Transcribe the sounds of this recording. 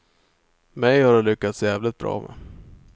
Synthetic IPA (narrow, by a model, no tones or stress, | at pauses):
mɛjhaɖɛlʏkːat̪sjæːvlɪt̪̚bɾɑ̰ːmʔɛ̰